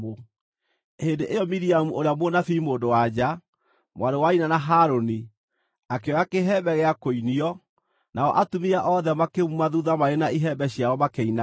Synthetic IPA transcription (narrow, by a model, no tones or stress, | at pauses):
o | hendeʔejɔmiɾiamuoɾeamonafimoːndowad͡ʑa | mwaɾowainanaɦaɾoni | akeɔjakeɦɛbɛɣɛakoiniɔ | naɔ̰ʔatumiaʔɔðɛmakemumaðuðamaenaiɦɛbɛɕijaɔmakeina